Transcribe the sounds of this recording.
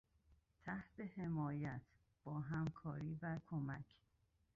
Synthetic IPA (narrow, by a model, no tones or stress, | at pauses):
t̪ʰæht̪ehemɒːjæt̪ʰ | b̥ɒːɦæmkʰɒːɾiːbækʰomækʰ